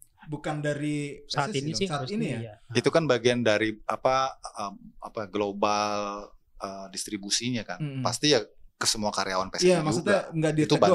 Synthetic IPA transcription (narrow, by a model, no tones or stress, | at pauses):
bukandaɾisainisaːtinijait̪ukanbaɡiandaɾiapaəma̰paɡlobal | ədist̪ɾibusiɲakanpast̪ijakəsəmuakaɾeawanpesjamaksut̪aŋɡadit̪uaba